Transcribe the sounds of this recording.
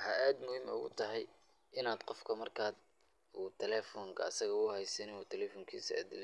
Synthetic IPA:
hɐʔaːd̪mʊhiːmʊ̰ɣʊ̰t̪ʰɐɦɛj | ʔɪnaːd̪qɔfkʰɐmɐrkʰaːd̪̚ | uːt̪ʰɛlɛːfɔːŋkʰɐɐsɐɣɐʊhɛjsɛnɪnuːt̪ʰɛlɛːfɔːŋkʰḭːsɐ̰d̪ɪl

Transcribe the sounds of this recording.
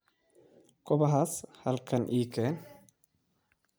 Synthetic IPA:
kʰɔβɐɦaːshɐlkʰɐnʔiːkʰɛːn

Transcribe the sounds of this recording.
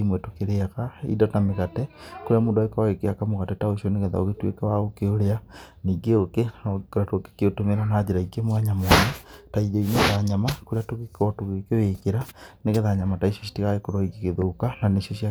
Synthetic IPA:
imwɛtokeɾeakaḭdɔtameɣatɛkoɾeamoːndwaekawaɣekeakamoɣatɛtaoʃioneɣeða̰o̰ɣetwḛkawaɣokeoɾea | niɡeokekoɾatoke̥keotomeɾanaːd͡ʒeɾaikemwaɲamwaɲataiðoineðaɲamakoɾeatokekɔtoɣekewekeɾaneɣeðaɲamataiʃosi̥tiɣaekoɾaikekeðokananesosa

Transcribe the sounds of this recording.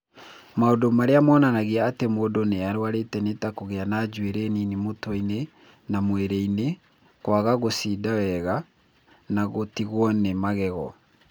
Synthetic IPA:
maodomaɾeamɔːnanaɣeaːtemoːdoneaɾwaɾetɛnetakoɣeanad͡ʒweɾeninimotɔine | namweɾɛine | kwaɣaɣosidawɛɣa | naɣotiɣwɔnemaɣɛɣɔ

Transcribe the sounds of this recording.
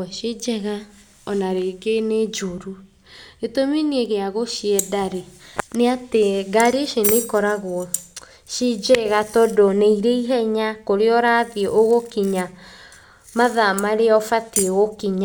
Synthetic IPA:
ɛʃid͡ʒɛɣa | ɔnaɾeɡened͡ʒoɾu | etominieɣeaɣoʃiɛdaɾeneateɡaɾeʃenekɔɾaɣo | ʃid͡ʒɛɣatɔdoneiɾeiɦɛɲakoɾeɔɾaðieʔoɣokiɲa | maðamaɾeɔfatieɣokiɲa

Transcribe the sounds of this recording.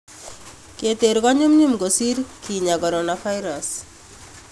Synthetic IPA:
ket̪eɾɡɔɲumɲumɡosiɾkiɲakɔɾɔnafʰajɾas

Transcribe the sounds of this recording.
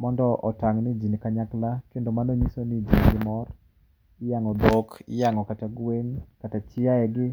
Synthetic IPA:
mɔndɔʔɔ̰taŋnid͡ʒinikaɲaklakendomanoɲisonid͡ʒiŋɡɪmɔr | ɪjaŋɔdokɪ̰jaŋɔkataɡwenkatat͡ʃɪaɛɡɪ

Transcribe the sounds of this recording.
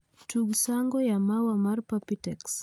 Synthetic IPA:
tuɡsaŋɡɔjamawamaɾpapitɛks

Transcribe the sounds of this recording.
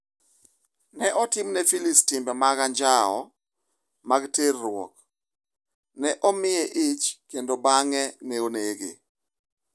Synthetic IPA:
nɛʔɔtɪmnɛfilistɪmbɛmaɡaɲd͡ʒaɔ̰ | maɡterːʊwɔ̰k | nɛʔɔmɪɛʔit͡ʃkendobaŋɛnɛoneɡḛ

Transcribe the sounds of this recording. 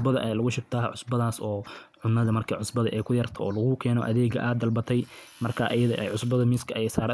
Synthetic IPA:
bɐðɐʔɛjlɐɣʊʃɪb̚t̪ʰaːʕʊsbɐðaːsɔːʕʊnːɐðɐmɐrkʰɐʕʊsbɐðɐ̰ʔɛjkʰʊjɐrt̪ʰɔɔːlɐɣʊkʰɛːnɔʔɐðɛːɡɐ̰ʔaːd̪ɐlbɐt̪ʰɛj | mɐrkʰaːʔɐjɐðɔ̰ʔɛ̰jʕʊsbɐðɐmɪskʰɐɛsaːɾ

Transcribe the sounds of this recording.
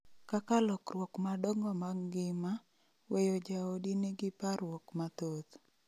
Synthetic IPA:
kakalɔkrwɔkmadɔŋɔmaɡɪma | wejod͡ʒaodineɡɪpaɾwɔkmat̪ot̪

